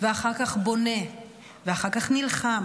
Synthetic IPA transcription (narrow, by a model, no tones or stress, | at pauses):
veaχaʁkaχbo̞ne̞ | veaχaʁkaχnilχam